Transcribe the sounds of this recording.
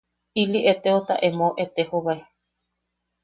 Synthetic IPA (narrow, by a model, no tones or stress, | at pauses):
iliʔet̪eot̪a̰ʔemõʔet̪ehoβae